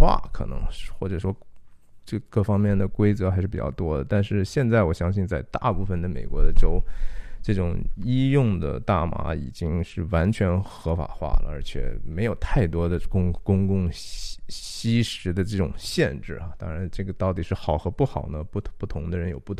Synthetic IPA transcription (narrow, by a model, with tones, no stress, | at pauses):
a̰˥˩kʰɤ̰˨˩nɤ̰˧˥ŋxwɔ˥˩ʈ͡ʂɤ˨˩ʂwɔ˥ʈ͡ʂɤ˥˧kɤ˥˩fɑ˥ŋmjɛ˥˩nd̪ə˩kwe˥ɪt͡sɤ˧˥xa˧˥ʂɻ̩˥˩pi˨˩t͡ɕɑ̰˥˧ʊt̪wɔ˥d̪ə˩t̪a˥˧nʂɻ̩˥˧ɕjɛ˥˧nt͡sa˥˩ɪwɔ˨˩ɕjɑ˥ŋɕi˥˧nt͡sa˥˧ɪt̪a̰˥˧pu˥˩fə˩nd̪ə˩me˨˩ɪkwɔ˧˥d̪ə˧ʈ͡ʂo˥ʊʈ͡ʂɤ˥˩ʈ͡ʂʊ˨˩ŋi˥jʊ˥˩ŋd̪ə̰˩t̪a̰˥˩ma̰˧˥ḭ˨˩t͡ɕi˥ŋʂɻ̩˥˩wa˧˥nt͡ɕʰɥɛ˧˥nxɤ˧˥fa̰˨˩xwa̰˥˩lə̰˩ə̰˞˧˥t͡ɕʰjɛ̰˩me˧˥ɪjo˨˩ʊt̪ʰa˥˩ɪt̪wɔ˥d̪ə˨kʊ˥ŋkʊ˥ŋkʊ˥˧ŋ | ɕi˥ʂɻ̩˧˥d̪ə˧ʈ͡ʂɤ˥˩ʈ͡ʂʊ̰˨˩ŋɕjɛ˥˧nʈ͡ʂɻ̩˥˩ɐ˩t̪ɑ˥ŋɻa˧˥nʈ͡ʂɤ˥˩ɡə˩t̪ɑ˥˩ʊt̪i˨˩ʂɻ̩˥˩xɑ˨˩ʊxɤ˧˥pu˥˩xɑ˨˩ʊnə˦pu˥˩pu˥˩t̪ʰʊ˧˥ŋd̪ə˧ɻə˧˥njo˨˩ʊpu˥˩